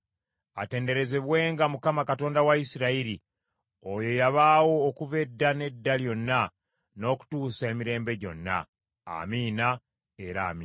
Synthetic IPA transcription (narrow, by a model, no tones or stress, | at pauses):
a̰te̞ːnde̞ɾe̞ze̞βwe̞ːŋɡamukamakato̞ːndawaisiɾaiɾi | o̞jo̞jaβaːwo̞ːkuve̞dːane̞dːaljo̞nːa | no̞ːku̥tuːsae̞miɾe̞ːmbe̞ɟo̞̰nːa̰ː | miːna | e̞ɾaːmiː